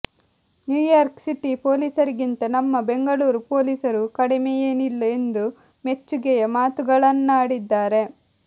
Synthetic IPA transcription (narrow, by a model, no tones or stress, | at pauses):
njuːjaːɾksiʈipo̞ːliːsɐɾiɡint̪ɐnɐmːɐbe̞ŋɡɐɭuːɾupo̞ːlisɐɾukɐɽimejeːnilːɐend̪u | me̞t͡ʃːuɡɛjɐmaːt̪uɡɐɭɐnːaːɽid̪ːaːɾe̞